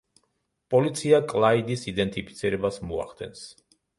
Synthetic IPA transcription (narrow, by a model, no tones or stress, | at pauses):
pʼɔlit̪sʰiakʼlˠaid̪isid̪ɛnt̪ʼipʰit̪sʰiɾɛbasmɔa̰χd̪ɛ̰ns